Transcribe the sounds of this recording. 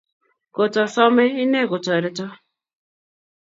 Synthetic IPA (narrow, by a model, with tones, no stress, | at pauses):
ko˨tɔ˨sɔ˦me˦i˦ne˦˨ko˨tɔ˨e˨ɾɪ˦tɔ˦